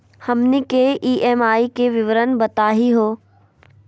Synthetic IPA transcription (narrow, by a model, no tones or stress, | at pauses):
hɐmnekeʔiːʔeːmaːikeʋɪʋəɾənbɐt̪aːɦiɦoː